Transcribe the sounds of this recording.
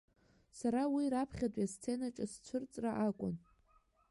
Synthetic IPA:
saɾawiɾapʰχʲatʷʼast͡sʰe̞naʈ͡ʂʼast͡ɕʷʰʊrt͡sʼraʔakʷʼʊ̰n

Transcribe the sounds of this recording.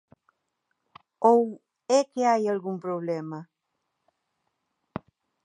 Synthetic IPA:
ow | ɛkeajalɣumpɾoβlɛma

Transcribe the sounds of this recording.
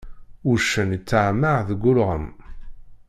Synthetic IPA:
ʊʃːənit͡sːaʕməʕðəɡʷːʊlʁə̰m

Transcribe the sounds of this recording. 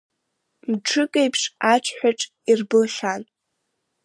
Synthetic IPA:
mʈ͡ʂʰɨkʼejpʰʂaʈ͡ʂʷʰħʷᶣaʈ͡ʂʼ | irbɨlχan

